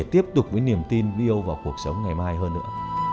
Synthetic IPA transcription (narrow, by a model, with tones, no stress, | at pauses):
t̪i˦˥əp̚t̪ʊ˨˩k͡p̚vəː˨˦jni˨˩əmt̪i˧nvi˧ʔə˧wvaː˨˩wku˨˩ək̚sə˨˦wŋ͡mŋa˨˩jmaː˧jɦəː˧nːɨ̰˧˥ə